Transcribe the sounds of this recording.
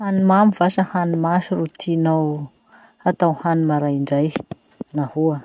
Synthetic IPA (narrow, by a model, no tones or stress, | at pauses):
hanimamiv̥asəhanimaʃirut̪ʰinaw | at̪awhanimaɾajiɳɖ͡ʐaj | nahuə